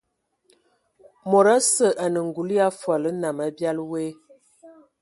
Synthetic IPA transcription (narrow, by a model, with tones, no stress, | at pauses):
mo˨ɾa˦sə˨ʔa˨nə˨ŋ˨ɡu˨lja˦fwa˨lə˦na˨ma˦bja˦lwe˦